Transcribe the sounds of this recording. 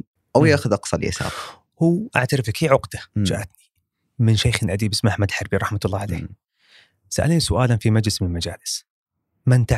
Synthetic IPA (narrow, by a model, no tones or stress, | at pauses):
ʔawjaːxʊðʔɑqsˤɑlḭːa̰sa̰ːb | huːʔa̰ʕt̪aɾɪfkiːʕʊqd̪̥ad͡ʒa̰ʔat̪ni̥ | mɪnʃajxɪlʔad̪iːbʔɪsmʔaħmad̪lħɑɾˤbiɾˤɑħmat̪ʊlˤːɑːʕalḛː | saʔa̰lnisʊʔaːlanfimad͡ʒlɪsmɪnalmad͡ʒaːlɪs | mant̪a